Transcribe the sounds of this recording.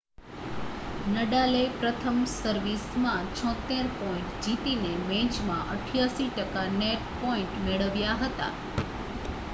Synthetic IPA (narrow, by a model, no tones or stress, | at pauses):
nəɖalepɾət̪ʰəmsəɾʋismãt͡ʃʰɔ̃t̪ːeɾpɔĩɳʈd͡ʒit̪inemɛ̃t͡ʃmãʔəʈʰjaʃiʈəkaneʈ̚pɔĩɳʈmeɭəʋjaɦət̪a̰